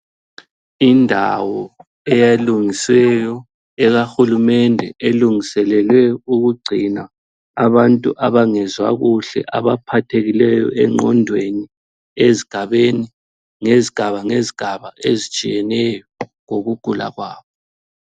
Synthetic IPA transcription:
indʱa̰wɔ | ɛjaluŋisɛjɔ | ɛɣaxulumɛndʱɛʔeluŋisɛlɛlwɛuɣuɡ͡ǀʱina | aβantʼṵʔaβaŋɛzwa̰ɣuɬɛ̰ʔaβapʰatʰeɣilɛjɔ̰ɛŋ͡ǃʱɔndʱweni | eziɡ̥ʱaβeni | ŋeziɡ̥ʱaβaŋeziɡ̥ʱaβaʔezit͡ʃʼijɛnɛjɔŋoɣuɡ̥ʱula̰ɣwaːβɔ

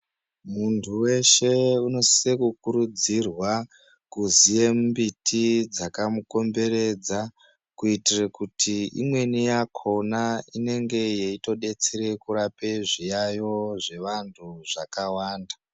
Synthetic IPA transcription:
muntʰuwe̞ʃe̞uno̞ssekukuɾud͡zirwa | kuzije̞mmbitʰid͡zakamuko̞mbe̞ɾe̞d͡za | kuitirekutʰiḭmwe̞nijakʰo̞naine̞ŋɡe̞jeito̞ɗe̞t͡seɾe̞kuɾape̞ʐijajo̞ʐe̞ʋantʰuʐakawaːnda

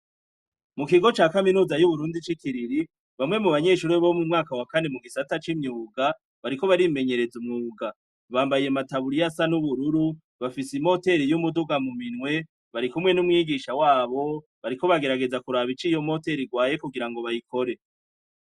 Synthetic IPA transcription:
mukiɡo̞t͡ʃaːkaminuːzajuβuɾuːndit͡ʃikiɾiɾi | βamŋe̞muβaɲe̞ːʃuɾuβomumŋaːkawakane̞muɡisatat͡ʃimɲuːɡa | βaɾiko̞βaɾime̞ɲe̞ɾe̞zumŋuːɡa | βaːmbajijemataβuɾijasanuβuɾuɾu | βafisimo̞te̞ɾijumuduɡamuminwe̞ | βaɾikumŋe̞numŋiːɡiʃawaːβo̞ | βaɾiko̞βaɡe̞ɾaɡe̞zakuɾaβit͡ʃijo̞mo̞te̞ɾiɡwaːje̞kuɡiɾaŋɡo̞βajikʰo̞ɾe̞

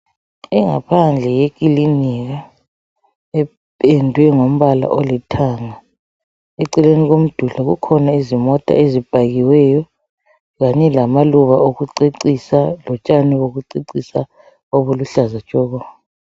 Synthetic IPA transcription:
iŋapʰand͡ɮʱɛjekʼiliniɣa | ɛ | pʼɛndʱwɛŋom̩βala̰ʔolitʰaːŋa | eǀileniɣom̩d̥ʱulɔɣukʰɔnaizimɔtʼa̰ezib̥ʱaɣiwɛjɔ | ɣaɲɛlamaluβaoɣuǀiǀisalɔt͡ʃʼaniwoɣuǀiǀisa | oβuluɬazat͡ʃʼɔːɣɔ

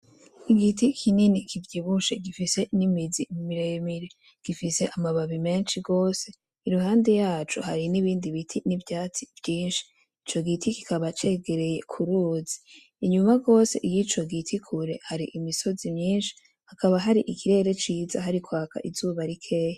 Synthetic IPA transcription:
iɡitikʰininikivɟiβuʃeɡifise̞nimizimimiɾejmiɾe | ɡ̥ifise̞ʔamaβaβime̞ːnʃiɡo̞ːse̞ | iɾuɦaːnde̞jaːt͡ʃṵhaɾiniβiːndiβitʰinivjaːt͡siv̥jiːnʃi̥ | it͡ʃo̞ɡitiki̥kaβat͡ʃe̞ɡe̞ɾe̞je̞kʰuɾuːzi̥ | iɲumaɡo̞ːse̞̰ʔijit͡ʃo̞ɡitʰikʰuɾe̞haɾiʔimiso̞zimɲiːnʃi̥ | hakaβaɦaɾiʔikʰiɾe̞ɾe̞t͡ʃiːzaɦaɾikwaːka̰ʔizuːβaɾikʰe̞ːja

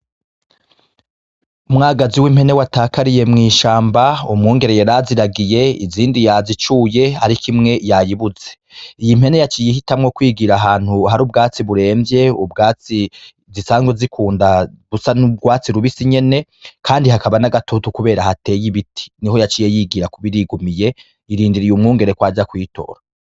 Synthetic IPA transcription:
umŋaːɡaziwimhe̞ne̞wataːkaɾije̞mŋiːʃaːmbaumŋuːŋɡe̞ɾejaɾaziɾaɡije̞ḭziːndijazit͡ʃuje̞aɾikʰimŋe̞jajiβuze̞ | ijim̥e̞ne̞jat͡ʃiːjihitamŋo̞kwiːɡiɾaɦaːn̥huɦaɾuːb̚ɡaːt͡siβuɾe̞ːmvje̞ubɡaːt͡si | zisaːŋɡwezikʰuːndaβusanub̚ɡwaːt͡siɾuβisiɲe̞ne̞ | kʰaːndihakaβanaɡatʰotukuβe̞ːɾahate̞ːjiβitʰi̥niho̞jat͡ʃijejiːɡiɾakuβiɾiɡumije̞ | iɾiːndiɾijumŋuːŋɡe̞ɾekwaːd͡ʒakwiːto̞̰ːɾa

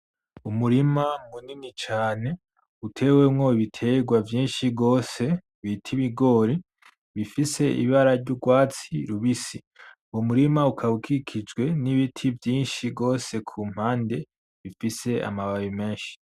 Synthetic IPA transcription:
umuɾimamuninit͡ʃaːne̞ | utʰe̞ːwe̞mŋo̞iβitʰe̞ɡwavjiːnʃiɡo̞ːse̞ | βitʰiβiɡo̞ːɾi | βifise̞ḭβaɾaɾɟuɡwaːt͡siɾuβisi | wumuɾimaukʰaukʰikʰid͡ʒɡwe̞niβitʰivjiːnʃiɡo̞ːse̞kʰuːm̥haːnde̞ | βifise̞a̰maβawime̞ːnʃi̥

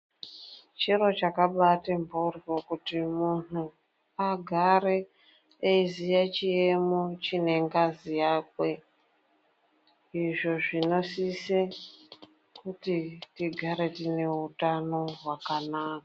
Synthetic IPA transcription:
t͡ʃiɾo̞t͡ʃakaɓatembourikokutimunu | aɡʱaɾeː | izijat͡ʃiemot͡ʃine̞ŋɡazijaːkwe̞ | iʐo̞ʐino̞sise | kutitiɡʱaɾe̞tine̞utano̞ɦwakanaːka

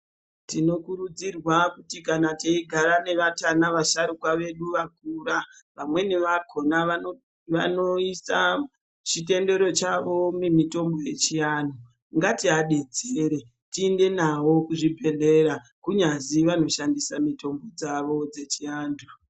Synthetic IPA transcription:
tino̞kuɾud͡zirwakutikanateiɡʱaɾane̞ʋatanaʋaʃaɾukwaʋe̞ɗuʋak̚uːraʋamwe̞neʋakʰo̞naa | ʋano̞isa | t͡ʃite̞nde̞ɾo̞t͡ʃaʋo̞memito̞mbo̞je̞t͡ʃianu | ŋɡatiaɗe̞d͡zeɾe | tiːnde̞nawo̞kuʐibʱe̞le̞ɾa | kuɲaziʋano̞ʃandisamito̞mbo̞d͡zaʋo̞d͡ze̞t͡ʃijaːndu

